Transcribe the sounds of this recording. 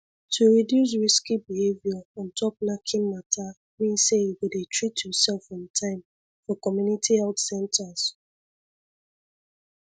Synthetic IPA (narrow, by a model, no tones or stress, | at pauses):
tʰuɹidjus̬ɹiskibihevjaɔ̃ntʰɔp̚nakʰĩnmatʰa | mĩnsejiwudetʰɹitjɔsɛlfɔ̃mtʰãɪ̃m | fɔkɔmjunitʰihɛltsɛ̃ntʰas